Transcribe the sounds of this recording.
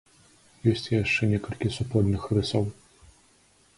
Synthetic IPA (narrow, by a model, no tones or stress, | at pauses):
jɔsʲt͡sʲjaʂt͡ʂɛnʲɛkɐlʲkʲisupɔd̪ʲnɨxɾɨsɔw